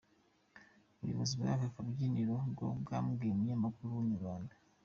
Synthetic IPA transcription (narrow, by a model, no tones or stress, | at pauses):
uβṵjo̰βo̰zibɡa̰vafabɟiːniɾoɡo̰bɡaːmuɡemuɲaːmakuɾuwuɲuββaːnda